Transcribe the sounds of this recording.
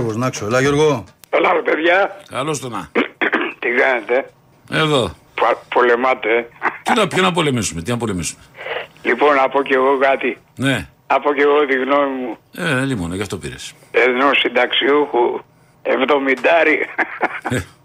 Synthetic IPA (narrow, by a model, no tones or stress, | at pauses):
ɣoznɐksoelɐʝoɾɣoelɐopeðʝɐkɐlost̪onɐ | t̪ikɐnet̪e̞ | eðo̞ | ppolemɐt̪et̪inɐpçɐnɐpo̞le̞misumet̪inɐpo̞lemisumelipo̞nɐpo̞ceɣo̞kɐt̪i | ne̞nɐpoceɣoðiɣnomimuelimonɐʝɐft̪o̞piɾḛs | enosind̪ɐksiuxu | evðo̞mid̪ɐɾi | e